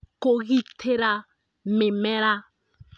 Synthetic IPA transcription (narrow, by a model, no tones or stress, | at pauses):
koɣitʰeɾa | mɪmɛɾa